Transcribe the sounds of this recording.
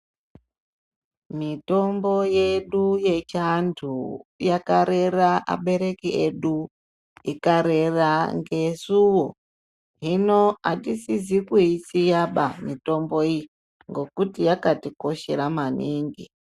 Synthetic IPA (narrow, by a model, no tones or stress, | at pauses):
mito̞mbo̞je̞ɗuje̞t͡ʃantʰujakaɾe̞raʔa̰ɓe̞ɾe̞kieɗu | ikaɾe̞raŋɡe̞suwo | ɦinoatisizikuit͡sijaɓamito̞mboi | ŋɡo̞kutijakatiko̞ʃe̞ɾamaniːŋɡi